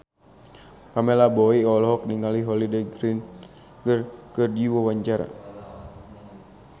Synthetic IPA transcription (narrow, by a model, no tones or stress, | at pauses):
pamɛlabɔiɔlɔɦɔk̚niŋaliɦɔlidɛɡɾin | ɡərkərd͡ʒiwɔwaɲt͡ʃaɾa̰